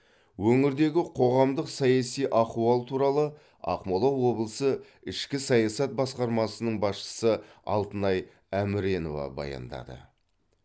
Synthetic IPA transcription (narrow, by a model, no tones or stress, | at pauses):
wɵŋɪɾd̪e̞ɡʲɪqʰo̞ʁɑmd̪əqsɑjɑsijʔɑquɑlˠt̪ʰuɾɑlˠə | ɑ̰qmolˠɑwːo̞blˠəsə | ɪʃkʲɪsɑjɑsɑt̪̚bɑsqɑɾmɑsənəɴbɑsʃə̥səɑ̰lˠt̪ənɑj | æmɪɾe̞no̞vɑ̰bɑ̰jɑ̰nd̪ɑ̰d̪ə̰